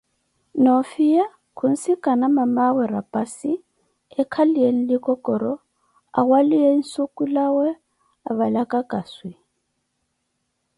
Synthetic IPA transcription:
nofija | kʰun̩sikʼanamamawɛɾa̰pʼasi | ɛkʰalijen̩likɔkʼɔɾɔ | a̰ɣwalijen̩sukʼulawɛ | aβalakakʼaswi

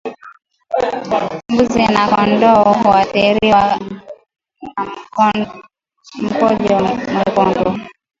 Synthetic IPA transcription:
mbuzɛnakɔndɔɔwatɛɾiwa | m̩pɔd͡ʒɔmakɔndɔ

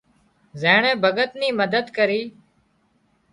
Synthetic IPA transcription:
zeːɳẽːbʱəɡət̪niːməd̪əd̪kəɾiː

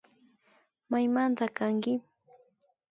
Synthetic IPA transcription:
majmant̪akaŋkɪ

